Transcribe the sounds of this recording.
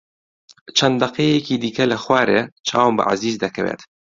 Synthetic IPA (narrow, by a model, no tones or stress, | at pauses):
t͡ʃʰɐnd̪d̪ɐqeːjɛciːd̪iːkɐlɐxwaːɾḛːt͡ʃʰa̰ːwambɐ̰ʕa̰ziːzd̪ɐkʰɐwḛːt̪